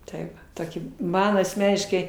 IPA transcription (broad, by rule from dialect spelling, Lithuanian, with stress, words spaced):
tɐɪ ˈʋɐ ˈtoːkʲɪ ˈmɐn ɐsʲˈmʲæːnʲɪʃkɐɪ